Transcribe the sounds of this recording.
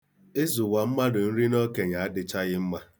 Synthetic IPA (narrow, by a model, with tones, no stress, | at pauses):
e˦zu˨wa˨m̩˦ma˦dʊ˨n̩˦ɾi˦no˦ke˨ɲa˨a˦dɪ˦t͡ʃa˦ɣɪ˦m̩˦ma˦